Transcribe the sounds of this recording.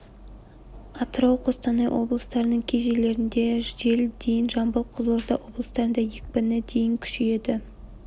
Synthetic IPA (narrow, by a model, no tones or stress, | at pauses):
ɑt̪əɾɑwqʰo̞st̪ɑnɑjwʔo̞̰blˠəst̪ɑɾənəɴkʲʰeʒe̞le̞ɾɪnd̪e̞ʒe̞ld̪̥e̞jɪnʒɑmbəlˠqʰəzlˠoɾd̪ɑwo̞blˠəst̪ɑɾənd̪ɑjek̚pɪnɪd̪e̞jɪŋkʲʰʏ̥ʃee̞d̪ɪ